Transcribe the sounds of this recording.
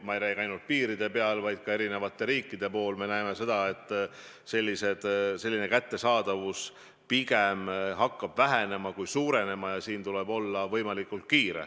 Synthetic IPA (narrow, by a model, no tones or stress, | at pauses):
mɑejɾæjɡɑjnult̪̚piːɾid̪̥e̞pe̞ɑlvɑjd̪̥̚kɑe̞ɾine̞vɑt̪ːˑe̞ɾiːkːˑid̪e̞po̞ːlme̞næeme̞se̞d̪̥ɑe̞t̪ˑː | se̞lʲːise̞d̪̥se̞lʲːine̞kæt̪ːe̞sɑːd̪̥ɑvus | piɡ̥emɦɑkːɑb̥væɦene̞mɑkujsuːɾe̞ne̞mɑjɑsiːnt̪ulebo̞lːɑvɤ̞jmɑlikːˑult̪̚kiːɾḛ